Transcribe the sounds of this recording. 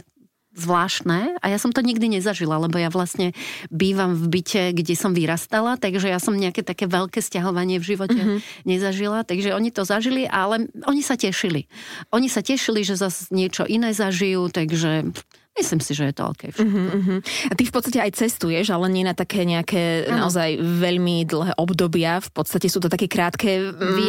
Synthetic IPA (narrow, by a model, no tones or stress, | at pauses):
zʋlaːʃt̪nɛːa̰jasɔmt̪ɔɲiɡd̪iɲɛzaʒilalɛbɔjaʋlasɲɛbiːʋamvbicɛɡɟɛsɔmʋiɾast̪alat̪aɡʒɛjasɔmɲɛakɛt̪akɛːʋɛʎkɛːscaɦɔʋaɲɪɛvʒiʋɔcɛɲɛzaʒilat̪aɡʒɛɔɲit̪ɔzaʒiliʔalɛʔɔɲisacɛʃiliʔɔɲisacɛʃiliʒɛzazɲɪɛt͡ʃɔ̰ʔinɛːzaʒijuːt̪aɡʒɛ | mislimsiʒɛjɛt̪ɔɔ̰ʎkɛ̰jfʃɛɦɦ̩at̪ifpɔt̪st̪acɛajt͡sɛst̪ujɛʒalɛɲɪɛnat̪akʰɛːɲɛakʰɛːnaɔzajʋɛʎmid̪l̩ˠɦɛːʔɔbd̪ɔbɪafpɔt̪st̪acɛsuːt̪ɔt̪akɛːkɾaːt̪kɛːʋi